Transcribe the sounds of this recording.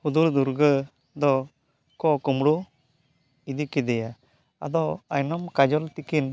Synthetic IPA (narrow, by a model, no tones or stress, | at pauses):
hud̪uɾd̪uɾɡə | d̪ɔ | kɔkumɽu | id̪ikid̪ɛja | a̰d̪ɔajnɔmkad͡ʒɔlt̪ikin